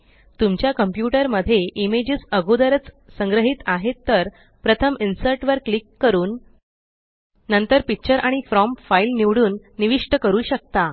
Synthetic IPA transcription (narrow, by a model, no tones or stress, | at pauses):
t̪umt͡ɕjakəmpjuʈəɾməd̪ʱːjeʔimed͡ʑisəɡʱod̪əɾət͡s | səŋɡɾəɦit̪aɦet̪ːəɾ | pɾət̪ʰəminsəɾʈʋəɾklikːəɾuːn | ənt̪əɾpik̚t͡ɕəɾʔaɽ̃ifɾɔmpfailniʋɽuːnːiʋiʂʈəkəɾuːɕək̚t̪a